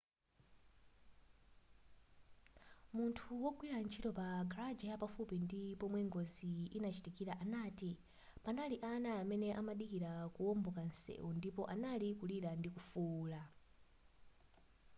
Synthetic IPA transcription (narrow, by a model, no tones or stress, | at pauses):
muntʰuwɔɡwiɾant͡ʃʰitɔpaɡaɾad͡ʒajapafupindipɔmwɛŋɡoziinat͡ʃi̥tikiɾaʔanaːti | panaliʔanaːmɛnɛʔamaɗikiɾakuɔmbɔkansɛ̰undipɔʔanalikuliɾandikufuːla